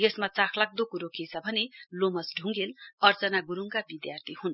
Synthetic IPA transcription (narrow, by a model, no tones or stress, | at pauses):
jesmat͡sakʰlak̚d̪okuɾokʰit͡sʰʌbʱʌnelomʌsɖʱuŋɡelʌrt͡sʌnaɡuɾuŋkabid̪jart̪ʰihun